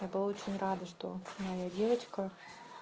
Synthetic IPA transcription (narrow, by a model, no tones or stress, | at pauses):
jabɨlˠaot͡ɕɪnʲrad̪ɐʂt̪omɐjadʲevət͡ɕkɐ